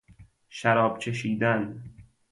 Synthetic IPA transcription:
ʃæɾɒːbcʰe̞ʃiːd̪æn

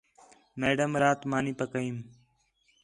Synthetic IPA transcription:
meːɖəmɾaːt̪maːniːpəkəiːm

